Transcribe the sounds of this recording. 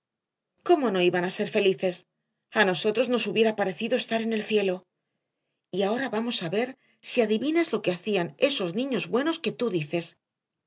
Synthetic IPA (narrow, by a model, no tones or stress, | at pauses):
ko̞mo̞no̞iβanase̞ɾfe̞liθe̞s | ano̞so̞t̪ɾo̞zno̞suβje̞ɾapaɾe̞θiðo̞est̪aɾe̞ne̞lθje̞lo̞ | iao̞ɾaβamo̞saβe̞ɾ | siaðiβinezlo̞ke̞aθiane̞so̞znĩɲo̞zβwe̞no̞ske̞t̪uðiθe̞s